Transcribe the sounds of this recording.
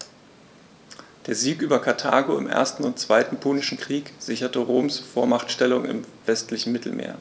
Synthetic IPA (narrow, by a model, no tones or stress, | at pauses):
d̥eːɐziːkʔyːbɐkʰaɐtʰa̰ːɡoɪ̰mʔḛːɐstn̩ʊntt͡sv̥aɪtn̩pʰoːnɪʃn̩kʁ̥iːkz̥ɪçɐtəʁoːmsfoːɐmaχtʃtɛlʊŋɪ̰mv̥ɛstlɪçn̩mɪtl̩mʔḛːɐ